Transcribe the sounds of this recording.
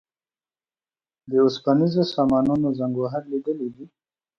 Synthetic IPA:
d̪əʊspanizosamɑnunozaŋɡaɦaɾlid̪əlid̪i

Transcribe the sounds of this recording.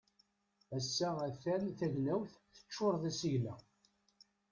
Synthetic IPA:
æsːææθænθæʝnæwθθə̥t͡ʃːoɾˤðæsiʝlæ̰

